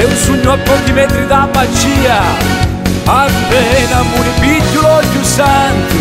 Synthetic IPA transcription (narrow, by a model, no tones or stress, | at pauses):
ɛunsuɲːuapːɔkimɛnt̪ɾid̪amat͡ʃiːa | abɛnamunɪpitːulɔɟusant̪i